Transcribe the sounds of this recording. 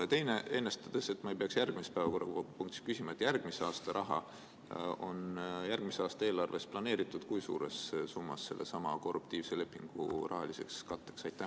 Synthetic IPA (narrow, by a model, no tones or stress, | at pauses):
t̪e̞jne̞e̞nːest̪ɑd̪̥ese̞t̪ːmɑejpe̞ɑksjærɡ̥mispæevɑko̞rːɑpuŋk̚t̪i̥skysimɑet̪jærɡ̥miseɑːst̪ɑɾʔɑɦɑ̰ | o̞njærɡ̥miseɑːst̪ɑe̞ːlɑrve̞splɑne̞ːɾit̪ːˑud̪̥kujsṵːɾe̞ssumːɑ̰sːe̞̰lːe̞̰sɑmɑko̞rːupt̪iːvsele̞pːˑiŋɡ̥ṵrʔɑ̰ɦɑlise̞̰kskɑt̪ːˑeksɑjt̪ːæ